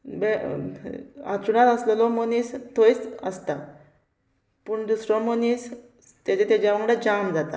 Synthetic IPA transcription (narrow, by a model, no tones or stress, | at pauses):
bɛ | a̰t͡suɽãt̪əslɔlɔmonist̪ʰojt͡sə̰st̪a | puɳd̪usɾɔmonis | t̪jat͡ɕat̪jad͡ʑjaʋəŋɡɽad͡ʑamd͡zat̪a̰